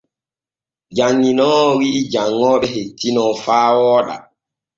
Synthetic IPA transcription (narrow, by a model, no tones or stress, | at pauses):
d͡ʒaɲːinɔːwiːd͡ʒaŋːɔːɓɛɦetinɔfaːwɔːɗa̰